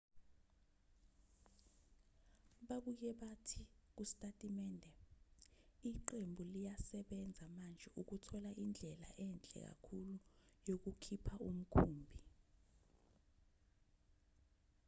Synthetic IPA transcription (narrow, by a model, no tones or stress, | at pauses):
ɓaɓujɛɓatʰik̬usi̥tʼatʼimɛːndʱɛ | iǃembʱulijasɛɓɛnd͡zʱamand͡ʒʱɛuk̬utʰɔlaʔind͡ɮʱɛla̰ʔɛnd͡ɮʱʼɛ̰k̬a̰kʰulujok̬ukʰipʰaum̩kʰuːmbʱi